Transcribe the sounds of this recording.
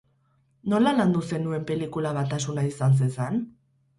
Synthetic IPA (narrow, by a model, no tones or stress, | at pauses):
no̞laland̪use̞nue̞mpe̞likulaβat̪asunaisans̬e̞nsan